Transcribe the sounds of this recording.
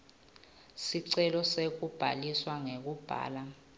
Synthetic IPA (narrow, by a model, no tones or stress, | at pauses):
siǀɛlɔsek̬ub̥ʱa̰liswaŋek̬ub̥ʱa̰ːla